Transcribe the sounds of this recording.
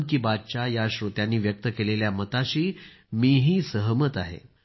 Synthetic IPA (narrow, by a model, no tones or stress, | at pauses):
kiːbad̪̚t͡ɕajaɕɾot̪janːiːʋjək̚t̪əkeleljamət̪aɕiː | miɦiːsəɦmət̪aɦḛ